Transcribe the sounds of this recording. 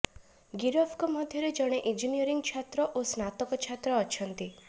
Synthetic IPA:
ɡiɾɔbʰkɔmɔd̪ʱjɔɾed͡ʒɔɽ̃eʔind͡ʒinijɔɾiŋɡt͡ʃʰat̪ɾɔʔosnat̪ɔkɔt͡ʃʰat̪ɾɔːt͡ʃʰɔnt̪i

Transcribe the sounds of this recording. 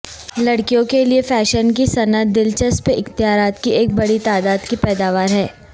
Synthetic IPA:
lɐɽkijõkeliefɛːʃənk̬isɐnət̪̚d̪ɪlt͡ʃəspeʔɪxt̪ɪɦaːɾaːt̪kieːk̚bɐɽit̪aːd̪aːd̪kipɛːd̪aːʋaːɾɦɛː

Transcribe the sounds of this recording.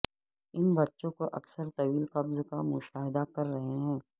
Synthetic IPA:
ɪnbɐtːʃõkoʔɐ̰ksəɾt̪ɐʋiːlqɐbzkamʊʃaːɦɪd̪akɐɾːɐɦeɦɛ̃ː

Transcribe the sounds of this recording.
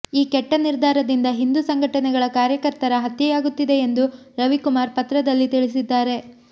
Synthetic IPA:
iːkɛʈːɐniɾd̪ʱaːɾɐd̪ind̪ɐɦind̪usɐŋɡʱɐʈɐnɛɡɐɭɐkaːɾjɐkɐɾt̪ɐɾɐɦɐt̪ːjɐjaːɡut̪ːid̪e̞ːnd̪u | ɾɐʋikumaːɾpɐt̪ɾɐd̪ɐlːit̪iɭis̬id̪ːaːɾe̞

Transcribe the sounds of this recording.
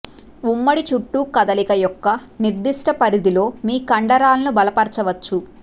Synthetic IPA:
umːɐɽit͡ʃuʈːukɐd̪ɐlikɐjɔkːɐniɾd̪iʂʈɐpɐɾid̪ilo̞ːmiːkɐɳɖɐɾaːlɐnubɐlɐpɐɾt͡ʃɐʋɐt͡ʃːu

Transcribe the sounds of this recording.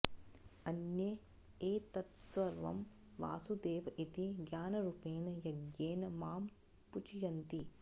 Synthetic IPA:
ɐnje | eːt̪ɐt̪sʋɐɾʋɐ̰m | ʋa̰ːsud̪eːʋɐʔit̪iɡjaːnɐɾupeːnɐjɐɡjeːnɐmaːm | put͡ʃijɐnt̪i

